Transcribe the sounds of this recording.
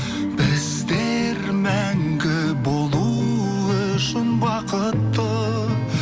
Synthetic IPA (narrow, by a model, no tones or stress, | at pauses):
bɪzd̪eɾmæŋɡʲɪbolˠu | ʊʃɪnbɑqət̪ːə